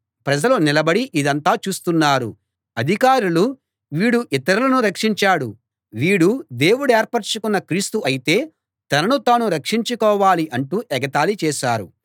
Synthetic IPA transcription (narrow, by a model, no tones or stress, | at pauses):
pɾɐd͡ʒɐlonilɐbɐɽiʔid̪ɐnt̪aːt͡ʃuːst̪unːaːɾṵ | ɐd̪ʱikaːɾulu | ʋiːɽuʔit̪ɐɾulɐnuɾɐkʂiɲt͡ʃaːɽu | ʋiːɽud̪e̞ːwuɽeːɾpɐɾt͡ʃukunːɐkɾiːst̪uʔɐjit̪e̞ː | t̪ɐnɐnut̪aːnuɾɐkʂiɲt͡ʃukɔːʋaːliʔɐɳʈuːʔɛɡɐt̪aːlit͡ʃɛːʃaːɾṵ